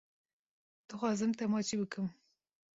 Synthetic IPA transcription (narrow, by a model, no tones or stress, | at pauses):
d̪̥ɨxwɑːzɨmt̪ɐmɑːt͡ʃibɨkʰɨm